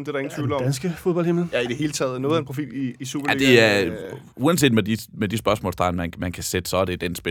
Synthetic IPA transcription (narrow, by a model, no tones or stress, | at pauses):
d̥e̝ɾɑe̝ŋn̩ʰʋiːl̩ɒ̽dænsɡ̥əfoðˠb̥ɒ̽lheml̩jæid̥ehe̝ːlət͡sʰɛ̰ːðˠnɔːæenpʰʁofḭiisṵbɐlæd̥e̝æ | uːænse̝̰ːdmed̥imed̥isb̥ɶɐsmɔ̰ːlsd̥ʁɑ̈ɪnmænmænkʰæsed̥ə̥sɒd̥e̝d̥ensb̥e